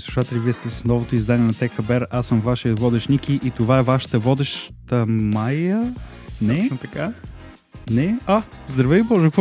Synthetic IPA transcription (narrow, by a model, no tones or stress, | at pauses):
islˠu̥ʃat̪ɛlʲiviɛst̪ɛsnɔvot̪oizd̪aniɛnɐt̪ɛxəbɛɾasːəmvaʃivɔd̪ɛʃnʲikiʔit̪ovaɛvaʃə̥t̪əvɔd̪ɛʃt̪əmajə | nɛt̪ɐka | nɛazd̪ɾɐvɛibɔʒɛk